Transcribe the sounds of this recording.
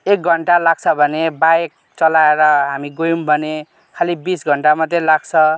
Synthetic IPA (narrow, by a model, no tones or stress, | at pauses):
ek̚ɡʱʌɳʈalaɡ̚t͡sʰʌbʱʌnebaek̚ | t͡sʌlaeɾʌɦamiɡojumbʱʌne | kʰalibisɡʱʌɳʈamʌd̪ʱelaɡ̚t͡sʰʌ